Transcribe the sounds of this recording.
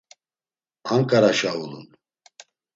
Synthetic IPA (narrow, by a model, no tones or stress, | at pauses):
aŋkʼaɾaʃaulun